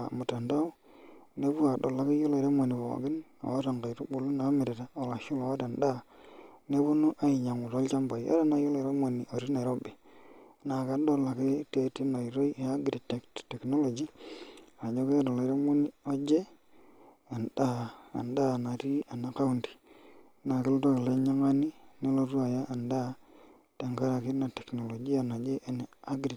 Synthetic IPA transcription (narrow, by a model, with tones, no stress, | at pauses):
mu˨ta˨nda˦u˦ | ne˦bu˦a˨ɗo̰˨la˨ki˦ju˦lo˨i˨ɾa˦mo˨ni˨bo̰˨ɡi˦no̰˨a˦ta˨ŋɡa˨ɾu˦bu˨lu˦na˨˦me˨ɾe˨ta˨o˨la˨ʃu˦lo˨wa˦da˨nda˦ne˦bu˦nu˦ʔa˦i˨ɲa˨ŋu˨to˦lt͡ʃa˦mba˨ji˨a̰˦da˦na˦jo˦lo˨ɾa˦mo˨ni˨ʔo˨ɾi˦na˨i˨ɾo˦be˨˦na˨ka˨˦do˦lːa˨ki˦te˦ti˦no˨i˨ɾo˦i˦˨ja˦ɡɾi˨te˨ktte˨kno˦lo˨d͡ʒi˦˨na˨d͡ʒo˦ke˦do˨le˨˦ɾa˦mo˦ni˦o˦d͡ʒe˦ | a˨nda˦a̰˨nda˦˨na˨ɾi˦a˨na˨ka˦u˦ndi̥˨˦ | na˨ki˦lto˦ke˨le˦ɲa˦ŋa˦ni˦ne˦lo˦ɾu˦a˨ja˦ʔa˨nda˦ | te˨ŋka˦ɾa˨ki˦na˨te˨kno˨lo˨d͡ʒi˦a˨na˨d͡ʒe˦ʔn˨a˦ɡɾi˨